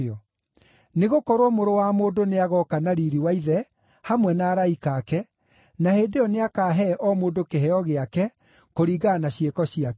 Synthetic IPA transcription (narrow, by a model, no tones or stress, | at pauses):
ɔ | neɣokɔɾwɔmoɾowamoːndoneaɣɔkanaɾiɾiwaiðɛ | hamwɛnaːɾaikakɛ | naheːdejɔneakaːɦɛʔɔmoːdokeɦɛɔɣeakɛ | koɾiːɡanaɕekɔɕiak